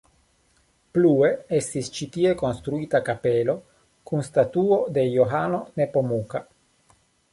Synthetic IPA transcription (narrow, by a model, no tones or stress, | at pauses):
plue̞est̪ist͡ʃitie̞ko̞nst̪ɾuitakape̞lo̞ | kunst̪atuo̞de̞joɦano̞ne̞po̞muka